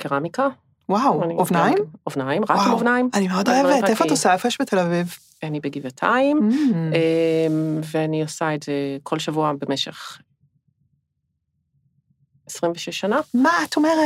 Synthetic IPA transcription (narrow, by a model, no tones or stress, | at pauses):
kiʁamika | wawaniovnaimovnaimʁakimovnaimanimeod̪oevet̪ʔefoatosaefojɛʃbetʰelaviv | anibeɡivatʰa̰imemveaniosaetzekʰo̞lʃavuabe̞meʃḛχ | esʁimveʃeʃanamaat̪omeʁet